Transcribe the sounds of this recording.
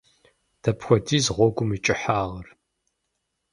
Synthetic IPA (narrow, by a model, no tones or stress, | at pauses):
d̥ɐpxʷɔdiːzʁʷɔɡʷʊmit͡ʃʼɪħaːʁɐr